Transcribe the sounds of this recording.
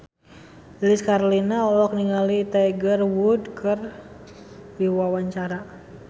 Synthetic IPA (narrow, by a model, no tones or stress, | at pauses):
iliskaɾlinaɔwɔk̚niŋalit̪aɡərwudkʰər | diwawaɲt͡ʃaɾa